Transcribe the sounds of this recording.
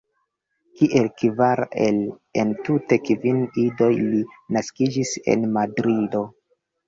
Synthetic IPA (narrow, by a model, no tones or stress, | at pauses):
kiʔe̞lkvaɾel | ḛntute̞kvinido̞jlinaskid͡ʒise̞̰nmadɾido̞